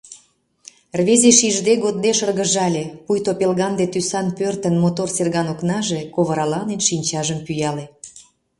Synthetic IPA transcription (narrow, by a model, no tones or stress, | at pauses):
rβezeʃiʒd̪eɣod̪̚d̪eʃərɣəʒɑlʲeujt̪opelɣɑnd̪et̪ysɑnpørt̪ənmot̪orserɣɑnoknɑʒekoβəɾɑlɑnenʃinʲt͡ɕɑʒəmpyjɑle